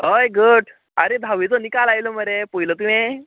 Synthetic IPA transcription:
ɦəjɡəʈ | a̰ɾed̪ʱaʋit͡sɔnikalajlɔməɾepojlət̪uẽ

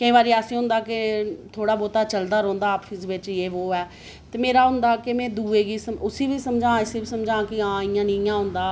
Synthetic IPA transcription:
kəĩbaːɾiːaːsĩːɦʊ̃nd̪aːkɪt̪ʰoːɽaːboːt̪aːt͡ʃəld̪aːɾõːnd̪aːpʰɪsʋɪt͡ʃeːʋoːɛː | t̪eːmeːɾaːɦʊ̃nd̪aːkɪmɛ̃ːd̪uːeːɡiːsəmʊsiːʋiːsəmd͡ʒãːɪsiːbiːsəmd͡ʒãːkɪãːɪjãːnɪ̃jãːɦʊ̃nd̪aː

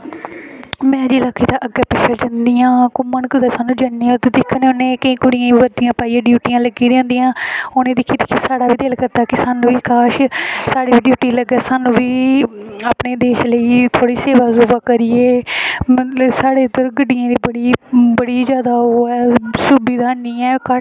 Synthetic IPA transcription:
mɛ̃ːd͡ʒiːlaːkʰːiːt̪ãːʔəɡɛːpɪʃəːd͡ʒənd̪ijãːkʊmənkəd̪aːsaːnũːd͡ʒəndiat̪ed̪ɪkʰːəneoːnẽːkəĩːkʊɽɪjãːiʋəɾd̪ijãːpaːiːãːɖjuːʈijãːləɡiːd̪jõːnd̪ijãːoːnẽːd̪ɪkʰːiːd̪ɪkʰːiːsaːɽaːʋiːd̪eːlkəɾd̪aːkɪsaːnũːʋiːkaːʃsaːɽiːʋiːɖjuːʈiːləɡɛːsaːnũːʋiːaːpneːd̪eːʃləiːt̪ʰoːɽiːseːʋaːsuːbaːkəɾɪjeːmsaːɽeːd̪əɾɡəɖːɪjãːd̪iːbəɽiːbəɽiːzjaːd̪aːɦoːɛːsubiːd̪aːnĩːɛ̃ːkə

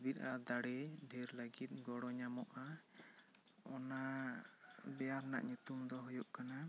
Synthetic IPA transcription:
bit̪̚ˀad̪aɽɛɖʱɛɾlaɡit̪̚ˀɡɔɽɔɲamɔʔa | ɔna | bɛjaɾna̰ʔɲut̪umd̪ɔɦɔjɔʔkana

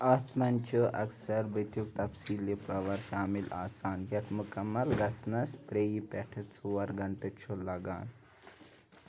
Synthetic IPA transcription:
at̪mant͡ɕəʔɐksəɾʋət̪juk̚t̪ɐpsiːlːepɾɐʋaɾɕaːmila̰ːsaːnjat̪mukəmːəlɡɐsnast̪ɾeipɛʈʰət͡suʋaɾɡʱɐɳʈət͡ɕʰolaɡa̰ːn

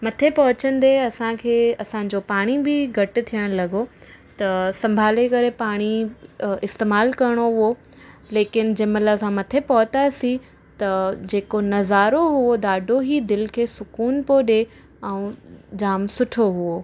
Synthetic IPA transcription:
mɐt̪ʰepɐɦʊt͡ɕə̃nd̪eɐsãkʰeːɐsãːɲd͡ʑopaːɽ̃ibɪɡʱɐʈɪ̆t̪ʰijəɽ̃lɐɡot̪ɐsɐ̃mbʱaːlekɐɾepaːɽ̃i | ɪst̪eːmaːlkɐɾɽ̃oɦʊo | leːkɪn̆d͡ʑɐmɐlləsãmɐt̪ʰepɐɦʊt̪asi | t̪ɐd͡ʑeːkonɐzaːɾoɦuod̪aːɖʱoɦid̪ɪlkʰeːsʊkuːnpoɗe | ɛ̃ũd͡ʑaːmsʊʈʰoɦuo

